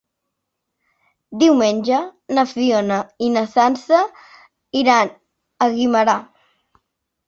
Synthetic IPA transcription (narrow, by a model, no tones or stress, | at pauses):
d̪iwmenʲʒənəfionəinəsansə | iɾan | əɣiməɾa